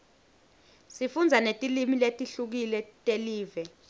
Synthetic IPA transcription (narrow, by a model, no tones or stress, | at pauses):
sifund͡zʱanetʼilimiletʼiɬuk̬ilɛtʼeliːvɛ